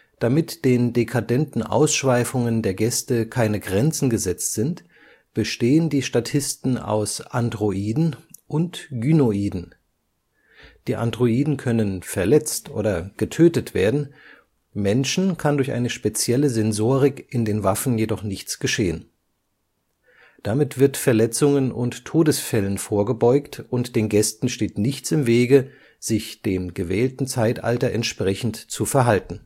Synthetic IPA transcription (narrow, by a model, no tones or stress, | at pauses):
d̥amɪtd̥eːndekʰadɛntn̩ʔa̰ʊsʃv̥aɪfʊŋəndeːɐɡɛstəkʰaɪnəɡʁɛnt͡sn̩ɡəzɛt͡stz̥ɪnt | b̥əʃteːəndiːʃtatʰɪstn̩a̰ʊsʔandʁoʔiːdn̩ʔʊntɡ̥ynoiːdn̩ | d̥iːʔa̰ndʁoiːdn̩kʰœnənfɛɐlɛt͡stʔo̰ːdɐɡ̥ətʰøːtətv̥eːɐdn̩ | mɛnʃn̩kʰandʊɐçʔa̰ɪnəʃpet͡sjɛləzɛnzoːʁɪkʔɪndeːnvafn̩jedɔχnɪçt͡sɡ̥əʃeːən | d̥amɪtv̥ɪɐtfɛɐlɛt͡sʊŋənʔʊ̰ntʰːoːdəsfɛlənfoːɐɡəbɔʏktʊntd̥eːnɡɛstn̩ʃteːtnɪçt͡sɪmveːɡə | z̥ɪçd̥eːmɡəvɛːltn̩t͡saɪtʔa̰ltɐʔɛntʃpʁ̥ɛçn̩tt͡sufɛɐɦaltn̩